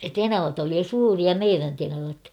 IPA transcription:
tenɑʋɑt oli jo suːriɑ meiræn tenɑʋɑt

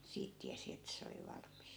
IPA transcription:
siːt tiæsi etːæ̆ se oli ʋɑlmˑist

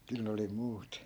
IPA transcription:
kyl ne oli muːt

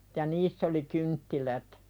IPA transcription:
jɑ niːsː oli kyntːilæt

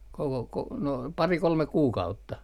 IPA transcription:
koko ko no pɑri kolmek̆ kuːkɑutːɑ

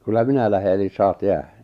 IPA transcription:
kylːæ minæ læhe elis sɑːt jæːhæ

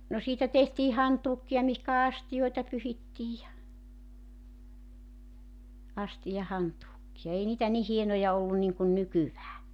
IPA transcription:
no siːtæ tehtiː hɑntuːkːiɑ mihkæ ɑstijoitɑ pyhitːiːj jɑ ɑstijɑhɑntuːkːiɑ ei niːtæ ni hienojɑ olːun niŋkun nykyʋæː

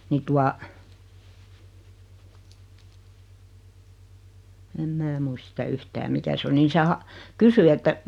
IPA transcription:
niː tuɑ em mæː muist sitæ yhtæː mikæ se oli ni se hɑ kysy etːæ

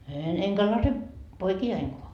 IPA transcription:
eːn eŋkæ lɑse poikiɑiŋkoɑ

